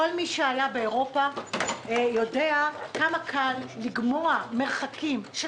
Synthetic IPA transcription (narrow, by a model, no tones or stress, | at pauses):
olmiʃeajabeeʁo̞pa | jo̞deakamakʰalːiɡmo̞ameʁχakimʃ